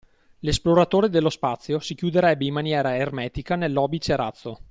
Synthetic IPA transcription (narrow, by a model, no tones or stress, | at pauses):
lesploɾat̪oːɾed̪elːospat̪sːjosikjud̪eɾɛbːeimːanjɛːɾaermɛːt̪ikanelːɔːbit͡ʃeɾat̪sːo